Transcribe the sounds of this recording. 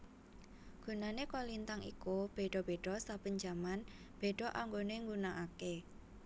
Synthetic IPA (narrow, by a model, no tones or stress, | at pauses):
ɡ̥ṳnanekɔlint̪aŋḭkub̥e̤ɖ̥ɔ̤b̥e̤ɖ̥ɔsabəɲd͡ʒa̤man | b̥e̤ɖ̥ɔ̤ʔaŋɡoneŋɡunaʔake